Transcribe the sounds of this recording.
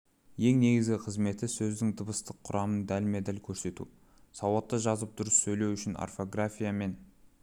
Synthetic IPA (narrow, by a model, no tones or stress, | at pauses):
je̞ŋne̞ɡʲɪzɡʲɪqʰəzme̞t̪ɪsɵzd̪ɪŋd̪əbəst̪əqʰːʊɾɑmənd̪ælmed̪ælkʲʰɵɾse̞t̪ṵ | sɑwɑt̪ːəʒɑzəp̚d̪ʊɾəsːɵjle̞wʏʃɪna̰rfo̞ɡrafʲijame̞n